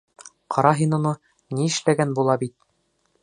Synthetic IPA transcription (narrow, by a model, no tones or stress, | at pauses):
qʰɑɾɑɦinunɤ | niɘ̆ʃlæɡænbulˠɑbit̪̚